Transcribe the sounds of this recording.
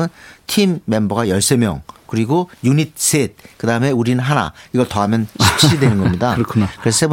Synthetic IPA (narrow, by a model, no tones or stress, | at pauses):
ɯntʰimːe̞mbʌɡajʌɭs͈e̞mjʌ̰ŋkɯɾiɡojuɲit̚s͈et̚kɯdaɯme̞uɾinɯnɦana̰iɡʌɭtʌɦamjʌnɕʰi̥k̚ɕ͈idwenɯnɡʌmɲidakʰkɯɾesʰeb